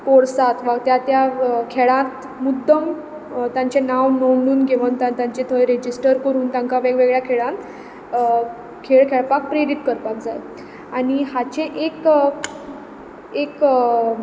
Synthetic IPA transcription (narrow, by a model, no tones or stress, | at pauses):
poɾsat̪ʰʋat̪jat̪jakʰeɭãt̪ | mud̪ːəm | t̪jãɲt͡ɕenawnəʋɳɖuːnɡʱeʋənt̪ãnt̪jãɲt͡ɕet̪ʰəjɾed͡ʑisʈəɾkəɾuːnt̪jãŋkaʋeɡʋeɡɭjakʰeɭãnt̪ | kʰeɭkʰeɭpak̚pɾeɾit̪kəɾpak̚d͡zaj | aɽ̃iɦat͡ɕẽʔek | ek